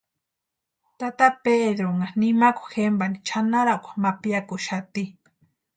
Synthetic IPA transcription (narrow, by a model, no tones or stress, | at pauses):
t̪at̪aped̪ɾoŋanimaku̥xembanit͡ʃʰanaɾakʷḁmapjakʊʃat̪i